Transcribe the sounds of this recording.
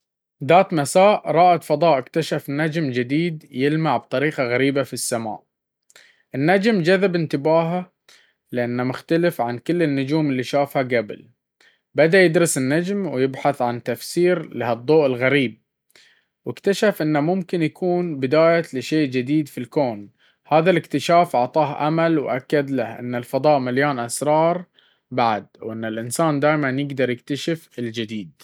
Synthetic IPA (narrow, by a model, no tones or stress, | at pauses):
ðaːt̪masaːʔɾˤɑːʔat̪fɑd̪ˤɑːʔɪkt̪aʃafnad͡ʒmd͡ʒɪd̪iːd̪jɪlmaʕbt̪ˤɑɾiːqɑɣaɾiːbafisːama̰ːʔ | ʔɪnːad͡ʒmd͡ʒaðabɪnt̪ɪbaːɦa | lɪʔanːamʊxt̪alɪfʕankɪlːɪnːʊd͡ʒuːmɪlːiʃaːfhaɡabɪ̰l | bad̪ajɪd̪ɾɨsɪnːad͡ʒmwjɪbħaθʕant̪afsiːɾlɪhɨd̪ˤːoːʔɪlɣaɾiːb̚ | wʔɪkt̪aʃafʔɪnːamʊmkɪnjakuːnbɪd̪aːjalɪʃeːʔd͡ʒɪd̪iːd̪filkoːn | haːðalɪkt̪ɪʃaːfʔɑʕt̪ˤɑːhʔa̰malwʔakːad̪lahʔɪ̰nːalfɑd̪ˤɑːʔmaljaːnʔasɾˤɑːɾˤ | baʕd̪wʔɪnːɪlʔɪnsaːnd̪aːjmanjɪɡd̪ɑɾˤjɪk̚t̪aʃɪfɪld͡ʒɪd̪iːd̪